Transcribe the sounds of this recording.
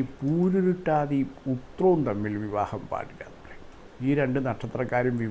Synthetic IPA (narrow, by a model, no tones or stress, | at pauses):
puːɾuɾuʈːaːðiut̪rɐʋunt̪ɐmːilʋiʋa̰ːhɐmpa̰ːʈːikʲːa̰ːnrej | iːɾe̞ɳɖɨnɐʈʂɐt̪ːrɐkːaːɾumʋi